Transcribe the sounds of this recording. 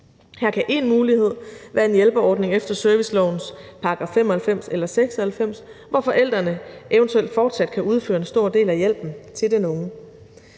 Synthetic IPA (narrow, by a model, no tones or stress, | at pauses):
hæɐkʰæʔe̝nmuːlihe̝ð̞̰ˠʋæːɐe̝njelb̥əɒːd̥ne̝ŋefd̥ɐsœɐʋislɒʊn̩spʰɑ̈ɡ̥ʁɑ̈fem̰ɒhælfem̰selɐseɡ̥sɒhælfem̰sʋɒfɒ̽ʔel̰d̥ʁɐnəʔeʊənt͡sʰueld̥fɒːd̥sæd̥̚kʰæuð̞ˠføːɐe̝nsd̥o̝ɐ̰d̥e̝̰ːlæjel̰b̥n̩t͡sʰe̝ld̥enɔ̽ŋə